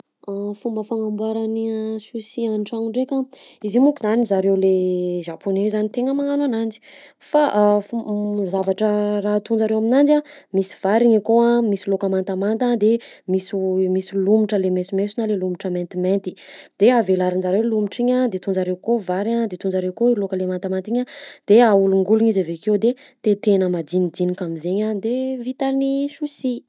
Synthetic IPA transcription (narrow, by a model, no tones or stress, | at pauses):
afumbəfaŋambwaɾanisusianʈ͡ʂaŋuɳɖ͡ʐekaizimukuzanizaɾewleʒaponezzanit̪eŋəmaŋanwanand͡ʒi̥ | faʔfuzavaʈ͡ʂəraɦt̪und͡zaɾewaminand͡ʒamisi̥v̥aɾiɲakoamisilokamant̪amant̪ad̪emisumisilumiʈ͡ʂəlemesumesunalelumiʈ͡ʂəmẽnt̪iment̪id̪̥eavelaɾinzaɾewlumiʈ͡ʂiɲad̪et̪und͡zaɾewkovaɾad̪et̪und͡zaɾewkoilokəlemant̪amant̪iɲad̪̥eauluŋɡuluɲizavekewd̪e | t̪et̪enəmad̪inid̪inikamizeɲad̪evit̪alniʃusi